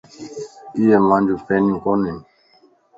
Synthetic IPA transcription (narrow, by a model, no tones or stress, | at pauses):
ijɛmãnd͡ʒupɛnĩkɔnɛn